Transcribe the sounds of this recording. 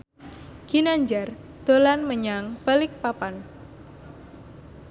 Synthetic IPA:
ɡ̥inaɲd͡ʒar | d̪̥o̤lanməɲaŋb̥alɪk̚papan

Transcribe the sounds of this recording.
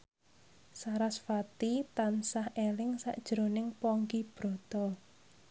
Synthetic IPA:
saɾasfat̪it̪ansahʔelɪŋsa̰ʔd̥ʒ̥ɾo̤nɪŋpɔŋɡib̥ɾɔ̤t̪ɔ

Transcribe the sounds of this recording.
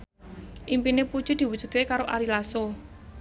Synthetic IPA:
ʔimpinepu̥ʒ̥ud̪̥i̤wud̥ʒ̥ṳt̪kekaɾoʔaɾilaso

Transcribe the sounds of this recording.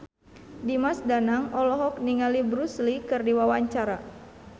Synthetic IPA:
dimasdanaŋɔlɔɦɔk̚niŋalibɾuslikɨrdiwawaɲt͡ʃaɾa

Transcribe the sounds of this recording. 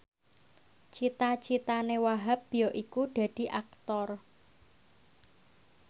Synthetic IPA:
t͡ʃit̪at͡ʃit̪anewaɦap̚bijɔʔikuɖ̥ä̤d̥i̤ʔak̚t̪ɔr

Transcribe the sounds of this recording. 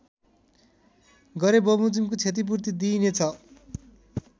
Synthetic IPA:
ɡʌɾebʌmud͡zimkot͡sʰet̪̬ip̬uɾt̪id̪inet͡sʰʌ

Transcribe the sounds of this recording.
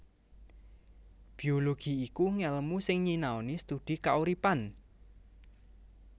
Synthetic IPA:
b̥i̤oloɡ̥i̤ikuŋɛləmusɪŋɲinaonist̪ud̪̥i̤kauɾipan

